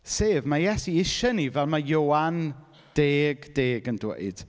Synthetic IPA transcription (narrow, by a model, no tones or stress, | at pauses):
seːvmajɛsiɪʃənivɛlˠmajoːan | d̥eːɡd̥eːɡəndwḛɨd̥